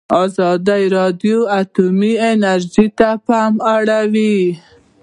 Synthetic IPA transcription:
ɑzɑd̪ajɾɑd̪joat̪umienaɾʒit̪apamaɽawi

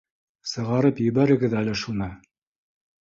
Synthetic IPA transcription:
sɤ̆ʁɑɾɤpjɘ̆βæɾɘ̆ɡɘðælɘʃunɤ

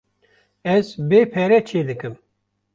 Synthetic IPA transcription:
ɛzbeːpʰɛɾɛt͡ʃʰeːd̪ɨkɨm

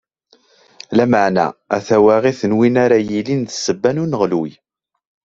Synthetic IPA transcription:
læməʕnæ̰æθæwaʁiθənwinaɾajilinðə̥sːəbːænunəʁluj

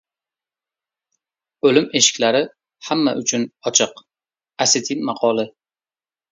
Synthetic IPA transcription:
ɵlɪme̞ʃɪ̥kʲlaɾɪ | hamːa̰ʔʊt͡ʃʰʊnɒt͡ʃʰɨq | asɪt̪ʰinmɑqʰɒlˠɪ

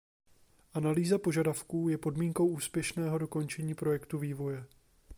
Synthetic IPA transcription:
ʔanaliːzapo̞ʒadafkuːjɛpo̞dmiːŋko̞wʔuːspjɛʃnɛːɦo̞do̞ko̞nt͡ʃɛɲiːpɾo̞jɛkt̪uviːvo̞jɛ

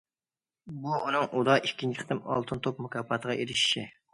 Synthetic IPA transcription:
buunɨŋʔud̪ɑʔikʲʰːint͡ʃʰɪχt̪ɪmɑ̰lˠt̪ʰɨnt̪ʰop̚mukʲɑpʰːɑt̪ʰəʁɑʔeɾɪʃi̥ʃi

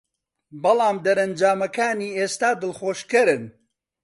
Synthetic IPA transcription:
bɐlˠɑːmd̪ɐɾɐnd͡ʒaːmɐkaːniːeːst̪aːd̪ɨlxoːʃkɨɾɨn

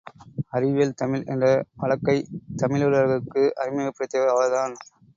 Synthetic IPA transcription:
ɐrɪʋeːlt̪ɐmɪlɛ̰ndrɐʋɐɭɐkːɐɪt̪ɐmɪlɯlɐɾɣɐkːɯʔɐɾɪmɐɐpːɪɾɐt̪ːɐʋɐɐʋɐɾðaːn

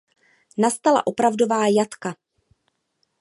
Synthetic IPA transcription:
nast̪ala̰ʔo̞pɾavdovaːjat̪ka

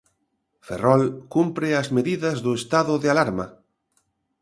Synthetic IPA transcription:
fḛrɔlkumpɾɪɐzmeðiðɐzðʊest̪aðʊðɪalaɾma

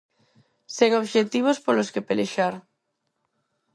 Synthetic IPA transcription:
seŋoβʃet̪iβ̞ospoloskepeleʃaɾ

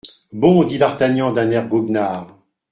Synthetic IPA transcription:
bɔ̃d̪id̪aʁt̪aɲɑ̃d̪ɛ̃nɛʁɡubnaːʁ

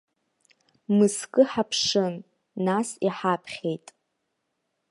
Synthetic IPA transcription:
mɨskʼɨħapʰʂɨnː | asiħapʰχʲe̞jtʼ

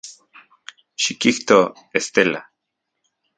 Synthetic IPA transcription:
ʃikiht̪o | est̪ela

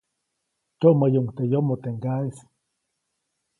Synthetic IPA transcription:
t͡ʃoʔmajoŋt̪ejomot̪eŋkaisi̥

